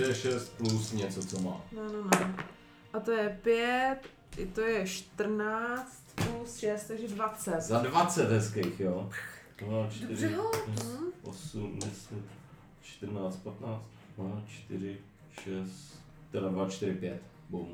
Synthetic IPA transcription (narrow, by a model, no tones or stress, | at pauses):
ɛʃɛst̪̚plusɲɛt͡sot͡soma̰ːnɛnonɛ | ʔat̪o̞jɛpjɛt̪ | t̪ojɛʃt̪r̩naːt͡st̪plusʃɛst̪t̪aɡʒɛdvat͡sɛt̪zadvat͡sɛt̪ɦɛskejxjoːt̪omaːt͡ʃtdoɪɾʒɛolɛʔo̰sumdɛsɛt̪ | t͡ʃt̪ərnaːt͡st̪̚pat̪naːt͡st̪mat͡ʃt̪ɪɾɪ | ʃɛst̪ | t̪ɛdadvat͡ʃt̪ɪɾɪpjɛt̪ | bowm